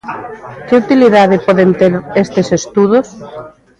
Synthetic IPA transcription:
kɪut̪iliðaðɪpɔðent̪eɾest̪esest̪uð̞os

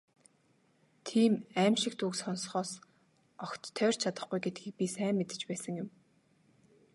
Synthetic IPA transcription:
t̪ʰiːmæːmʃɪ̆k̚t̪uːksɔnsχɔːs | ɔxt̪ʰːœːr̥t͡ɕʰat̪ə̆χɡujɡet̪̚ɡiːk̚pʲisæːmːet̪ɘ̥̆t͡ɕpæːsə̆ŋjʊ̆m

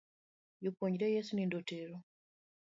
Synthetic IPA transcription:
jopoɲiɾɛjɛsunindoteɾo

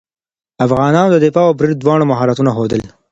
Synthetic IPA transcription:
afɣɑnɑːnod̪əd̪ɪfɑabɾid̪̚d̪wɑɽ̃omaɦɑɾat̪unaxod̪əl

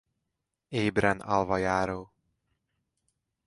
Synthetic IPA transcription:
eːbɾɛnɒ̰lvɒjaːɾoː

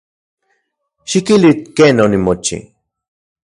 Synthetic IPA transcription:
ʃikilit̪kenonimot͡ʃḭ

